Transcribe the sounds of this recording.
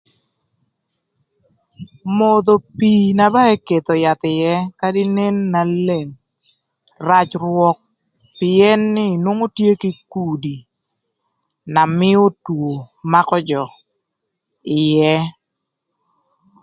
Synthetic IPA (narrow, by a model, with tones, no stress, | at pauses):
mo˨d̪o˨pi˨na˨ba˦e˦ke˨t̪o˨ja˨t̪ɪ˨jɛ˦ka˦dɪ˦ne˦nːa˨le˨ŋ | ra˦t͡ʃrwɔ˦k̚ | pɪ˨ɛ˦nːɪ˦˨nwo˦ŋo˦tje˦ki˦ku˨di˨ | na˨mɪ˦o˦two˨ma˦kɔ˦d͡ʒɔ˨ | ɪ˨jɛ˦